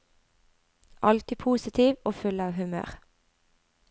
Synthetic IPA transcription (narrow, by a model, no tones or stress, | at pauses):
ʔɑlt̪ɪːpʰuːsɪt̪ʰiːʋoːfʉlɑːʋhʉmø̰ːʁ